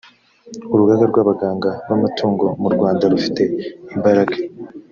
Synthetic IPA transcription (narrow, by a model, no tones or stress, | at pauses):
uɾuɡaɡaɾɡwaːβaɡaːŋɡaβamatʰuːŋɡo̞muɾɡwaːndaɾufi̥te̞imbaɾaɡḁ